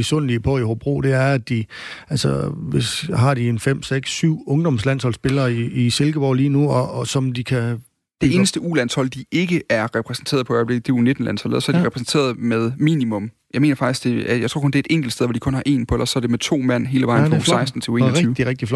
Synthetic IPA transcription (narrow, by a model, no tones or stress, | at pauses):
esɔn̰liəpʰɒ̽ihob̥ʁo̝̰ːd̥e̝æɐæd̥iælsəʋe̝sɦɑ̈d̥ie̝nfem̰seɡ̥sːyʊ̰ɔ̽ŋd̥ɒ̽mslæn̰shɒ̽l̰sb̥e̝lɐːiːse̝lɡ̥əb̥ɒ̰ʊliːnuɒsɒ̽md̥ikʰæ | d̥e̝e̝ːnəsd̥əulænshɒ̽l̰d̥ie̝ɡ̥əæɐʁɛpʰʁɛsn̩t͡sʰe̝̰ːɐðˠʰɒ̽iʋæɐble̝ɡ̩d̥eone̝d̥n̩læn̰shɒ̽l̰ð̩ˠɒsɒɐ̥ʁɛpʰʁɛsn̩t͡sʰe̝̰ːɐðˠmeð̞ˠmḭːnimɔ̽m | jɑme̝ːnɐfɑɡ̥isɡ̥d̥e̝æjɑaɪt͡sʰo̝ɐkʰɔ̽nd̥eæed̥eŋɡ̥l̩̥steð̞ˠʋɒd̥ikʰɔ̽nhɑ̈ʔe̝̰ːnpʰɒ̽elɐ̰sɒ̽ɐd̥e̝met͡sʰo̝̰ːmæn̰ɦe̝ːləʋɑ̈ɪ̰nfʁɒɑ̈ɪsd̥n̩t͡sʰe̝uenyːʊd̥iʁɛɡ̥̚d̥iflɒ